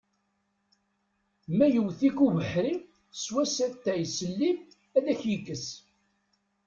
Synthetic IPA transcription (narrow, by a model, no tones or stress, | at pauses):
mæjəwθikuvəħɾi | swæsæt̪ːæjsəlːi | æðæçjəkːəs